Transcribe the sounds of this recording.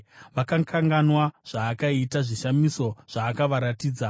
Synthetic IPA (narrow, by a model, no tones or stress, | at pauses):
ʋakaŋkʰaŋɡanwaʐ̥aːkaitaʐiʃamiso̞ʐ̥aːkaʋaɾatiːd͡za